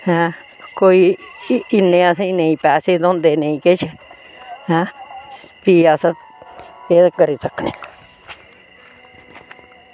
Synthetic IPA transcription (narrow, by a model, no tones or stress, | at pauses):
ha | koiː | nẽãsãinẽĩpasid̪ond̪enẽĩket͡ʃe | hã | piasa | eakaɾit͡saknḭ̃